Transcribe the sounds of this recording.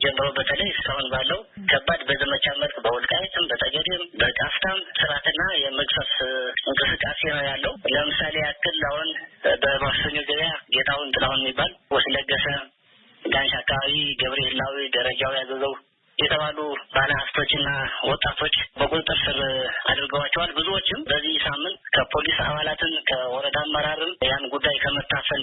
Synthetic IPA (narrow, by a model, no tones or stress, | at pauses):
d͡ʒɛmːɨɾəwbət̪ʰələjsɨ̥kʼahunbalːəwukʰəbːad̪bəzəmət͡ʃʼaməlkʼbəwɔlkʼajɛt̪ʰɨmbət̪ʼəɡəd̪embəkʼaft̪ʰamsɨɾat̪ɨnːajɛməksəsɨŋkʼɨsɨkʼːasenəwjalːəhuləmɨsale̞akʰːɨlːahonbəbaassəɲːoɡəβjaɡet̪ʰawnt̪ʼɨlawnjɛmːibːalwɔt̪ʰələɡːəsə | ɡanʃakːaβaβiɡəβɾehɨlːawid̪əɾəd͡ʒawijazəzəw | jɛt̪ʰəβalubaləhaft̪ʰo̞t͡ʃːɨnːawɔt̪ʼːat̪ʰo̞t͡ʃːbəkʼut̪ʼt̪ʼːɨɾsɨɾa̰d̪ɾɡəwat͡ʃːɛwalbɨzuwot͡ʃːɪmbəzːihsamːɨnt̪kʰəpʰo̞lisa̰βalat̪ʰɨnkʰəwɔɾəd̪amːəɾaɾɨmjanɡud̪ːajkʰəmət̪ʰʼːafəl